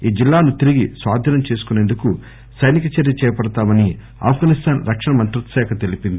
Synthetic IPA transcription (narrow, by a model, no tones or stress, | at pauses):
iːd͡ʒilːaːnut̪iɾiɡisʋaːd̪ʱɐnɐmt͡ʃe̞ːsu̥kune̞ːnd̪uku | sɐjnikɐt͡ʃeɾjɐt͡ʃɛːjpɐɽɐt̪aːmɐni | a̰ːpʰɡaːnist̪ʰaːnɾɐkʂɐɳɐmɐnt̪ɾut̪ɐsɛːkʰɐt̪e̞lipind̪i